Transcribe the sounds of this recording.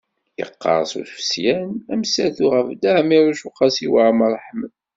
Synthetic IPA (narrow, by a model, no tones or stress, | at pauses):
jə̰qːɑ̰ɾˤsṵθfsjænæmsæθuʁəfd̪aʕmiɾuʃuqɑsiwəʕməɾˤːħmə